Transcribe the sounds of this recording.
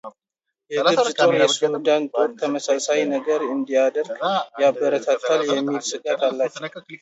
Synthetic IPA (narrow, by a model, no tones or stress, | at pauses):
jɛdɨɾɪt̪ʰʼonjɛsud̪ant̪ʰʼokt̪ʰːəməsasajnəɡəɾɨnd̪ijad̪əɾɡjabːəɾət̪ʰat̪ʰːaljɛmːilsɨkʼat̪ʰalːat͡ʃːɛw